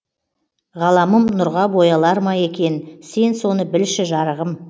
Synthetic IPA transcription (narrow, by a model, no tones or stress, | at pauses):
ʁɑlˠɑməmnʊɾʁɑbo̞jɑlˠɑɾmɑjekʲe̞nse̞nso̞nəbɪlʃɪʒɑɾəʁəm